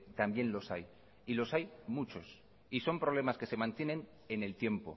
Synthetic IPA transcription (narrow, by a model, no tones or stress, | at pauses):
t̪ambje̞nlo̞saj | ilo̞sajmut͡ʃo̞s | iso̞mpɾoβle̞maske̞se̞mãnt̪je̞nẽ̞n | ene̞lt̪je̞mpo̞̰